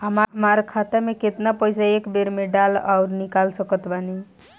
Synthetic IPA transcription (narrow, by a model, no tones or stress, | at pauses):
ɦəmmaɾkʰat̪ameket̪napəjsaekbeɾmeɖala̰ʊɾnikalsəkət̪bani